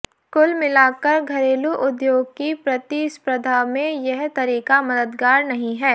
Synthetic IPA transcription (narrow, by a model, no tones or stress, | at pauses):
kʊlmɪlaːkɐɾɡʱɐɾeːluʔʊd̪joːɡ̚kipɾɐt̪ispɾɐd̪ʱaːmẽjɛɦt̪ɐɾiːkamɐd̪əd̪ɡaːɾnɐɦĩɦɛː